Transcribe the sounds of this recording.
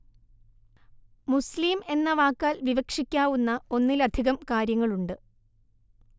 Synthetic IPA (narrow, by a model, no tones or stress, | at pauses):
musliːme̞nːɐʋaːkːaːlʋiʋɐkʂikʲːaːʋunːɐo̞nːilɐd̪ʱiɣɐmkaːɾjɐŋːɐɭuɳɖɨ